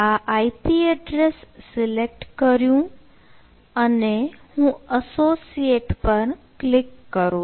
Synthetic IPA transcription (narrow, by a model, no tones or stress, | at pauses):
aʔaipiəɖɾesːɪlek̚ʈkəɾjũ | ənehũəsosijeʈpəɾklɪkːəɾũ